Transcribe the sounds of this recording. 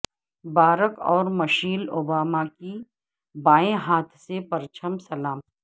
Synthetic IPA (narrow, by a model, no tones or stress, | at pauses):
baːɾəkɔːɾmɐʃiːloːbaːmaki | baːẽɦaːt̪ʰsepɐɾt͡ʃʰəmsɐlaːm